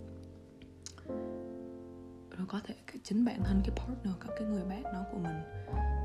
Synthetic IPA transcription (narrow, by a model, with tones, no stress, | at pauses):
zo˨˩jkɔ˨˦t̪ʰe˧˩kaː˦˥k̚t͡ɕə˨˦ŋɓa̰ː˧˨nha˨˩ŋkaː˨˦jpʰɔ˦˥t̚nəː˧˩əkaː˦˥kːaː˨˦jŋɨ˨˩əjɓɛː˦˥t̚ɗɔ˨˦ku˧˩əmï˨˩ŋ̟